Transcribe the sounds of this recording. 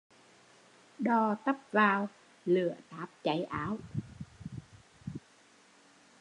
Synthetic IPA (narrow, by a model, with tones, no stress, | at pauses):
ɗɔ˧t̪ə˦˥p̚vaː˧w | lɨ˧˩˨ət̪aː˨˦p̚t͡ɕa˨˦jʔaː˨˦w